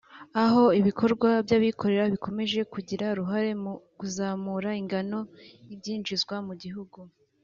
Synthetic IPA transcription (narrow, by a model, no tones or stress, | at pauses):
aɦo̞iβikʰo̞ɾɡwabjaβikʰo̞ɾe̞ɾaβiko̞me̞ʒe̞kuɟiɾaɾuɦaɾe̞mkuzaːmuːɾaiŋɡano̞ibɟiːnd͡ʒizɡwamuɟiɦuɡu